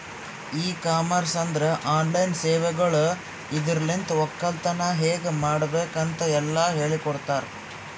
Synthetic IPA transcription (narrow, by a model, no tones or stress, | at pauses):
iːkaːmɐɾsɐnd̪ɾɐʔaːnlɐjnseːʋɛɡɐɭu | id̪iɾɐlint̪ɐɔkːɐlt̪ɐnɐɦeːɡemaːɽɐbeːkɐnt̪ɐɛlːɐɦe̞ːɭikɔɽt̪aːɾ